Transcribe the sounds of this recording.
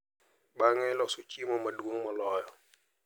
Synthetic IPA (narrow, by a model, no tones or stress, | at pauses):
ɓaŋɛlɔsʊt͡ʃimɔmadwoŋmɔlɔjɔ